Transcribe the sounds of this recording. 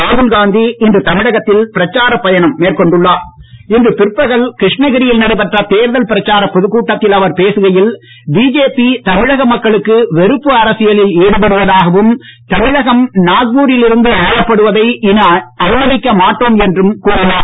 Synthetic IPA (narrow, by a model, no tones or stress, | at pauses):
aːðɯlɡaːnd̪iɪndrɯt̪ɐmɪɽɐɣɐt̪ːɪlpɪɾɐt͡ʃːaːɾɐpːɐjɐnɐmːeːrkɔɳɖɯɭːaːɪndrɯpɪrpːɐɣɐɭkɾɪʂɳɐɣɪɾɪjɪlnɐɽɐɪpɐʈrɐt̪eːɾðɐlpɪɾɐt͡ʃːaːɾɐpːɔðɯkːuːʈːɐt̪ːɪlɐʋɐɾpeːsɯɣɐjɪl | biːd͡ʒeːpit̪ɐmɪɻɐɣɐmɐkːɐɭɯkːɯʋɛɾɯpːɯɐɾɐsɪjɐlɪleːɽɯpɐɽɯʋɐðaːɣɐʋɯmt̪ɐmɪɻɐɣɐmnaːɣbuːɾɪlɪɾɯnd̪ɯɐjɐpːɐɽɯʋɐðɐɪɪnɐɐɾɪmɐðɪkːɐmaːʈːoːmɛndrɯmkuːɽɪnaː